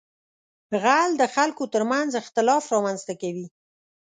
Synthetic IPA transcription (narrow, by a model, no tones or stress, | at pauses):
ɣald̪əxalkot̪əɾmanzɪxt̪ɪlɑfɾɑmanzt̪akawi